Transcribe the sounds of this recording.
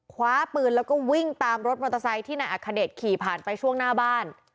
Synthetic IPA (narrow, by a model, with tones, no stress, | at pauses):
kʰwaː˦˥pɯː˧nlɛː˦˥wkɔː˥˩wi˥˩ŋt̪aː˧mɾo˦˥t̪̚mo˧t̪ʰa˧sa˧˥jt̪ʰiː˥˩na˧jʔa˨˩kʰːa˧deː˨˩t̪̚kʰiː˨˩pʰaː˨˩npa˧jt͡ɕʰu˥˩əŋnaː˥˩baː˥˩n